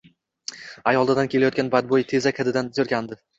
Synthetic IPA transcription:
ajɒlˠd̪ɪd̪ankʲʰe̞lajɒt̪kʲanbad̪̚bojt̪ʰe̞zakʲʰad̪ɪd̪anzoɾkʲand̪ɪ

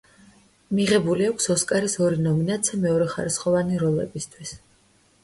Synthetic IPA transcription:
miʁɛbuliakʷʰsɔskʼaɾisɔɾinɔminat̪sʰiamɛɔɾɛχaɾisχɔvaniɾɔlˠɛ̰bist̪ʰwis

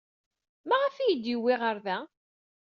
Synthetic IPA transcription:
mæʁæfijəd̪jiwːɪʁəɾðæ

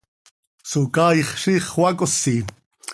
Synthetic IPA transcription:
sukɑːiχʃiːχwɑkʼosːi

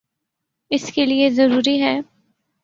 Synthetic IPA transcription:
ɪskeliezɐɾuːɾiɦɛː

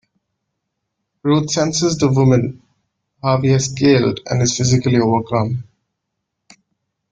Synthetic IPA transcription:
ɾuːt̪sɛ̃nsɪzd̪əʋʊmə̃n | ɦaːʋiɛzkeːlɖæ̰̃nɪz̥fɪzɪkəlioːʋəkɾə̃m

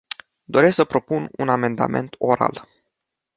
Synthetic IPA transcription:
d̪o̞ɾe̞sksəpɾo̞pununame̞nd̪a̰me̞̰nt̪o̞ɾa̰l

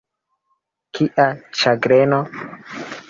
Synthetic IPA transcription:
kʰiʔat͡ʃaɡɾeno

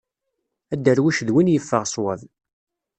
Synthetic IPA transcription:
æd̪ːəɾwiʃðwinjəfːəʁsˤwæð

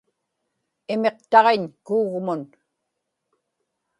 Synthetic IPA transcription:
ɪme̞qt̪ɑʁeɲkuːɣmʊn

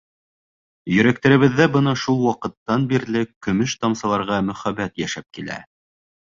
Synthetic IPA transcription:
jɵ̆ɾæk̚t̪æɾɘ̆βɘ̆ðːæbɤnɑʃulˠwɑqɤ̆t̪ːɑnbiɾlɘkːɵ̆mɘʃt̪ɑmsɑlˠɑɾʁɑmɵ̆χæbæt̪jæʃæp̚kilæ̰

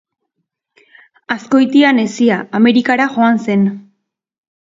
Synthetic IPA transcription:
asko̞jt̪iane̞siaame̞ɾikaɾaʝo̞anse̞n

